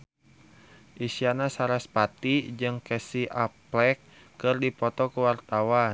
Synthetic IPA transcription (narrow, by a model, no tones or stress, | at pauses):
ʔisianasaɾaspat̪id͡ʒɨŋkɛsiʔaplɛkː | ɨrdipɔt̪ɔkuwart̪awa